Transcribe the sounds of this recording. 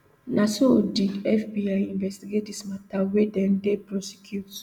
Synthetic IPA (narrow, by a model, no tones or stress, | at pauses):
nʔasodidɛfbiajĩnvɛstiɡet̚dismatawedɛ̃ndepɾɔsi̥kʰjut